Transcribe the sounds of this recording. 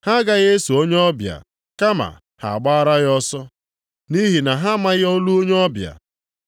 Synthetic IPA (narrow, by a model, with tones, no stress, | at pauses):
ha˦ɡa˦ɣe˦so˨o˦ɲ˦ɔ˦bja̰˨ | ka˦ma̰˨ | ha̰˨a˨ɡ͡ba˦ɾa˦ɣɔ˦sɔ˦ | ni˦ɦi˨na˨ɦa˦ma˦ɣo˦lu˦o˦ɲe˦ɔ˦bja̰˨